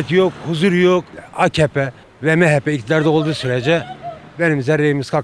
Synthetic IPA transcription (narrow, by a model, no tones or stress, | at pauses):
t̪jokhuzuɾjokacʰɛpʰɛ | vɛmɛɦɛpːɛict̪ʰid̪aɾd̪ɛolˠd̪usyɾɛd͡ʒɛ | bɛnimzɛɾːejimiskʰa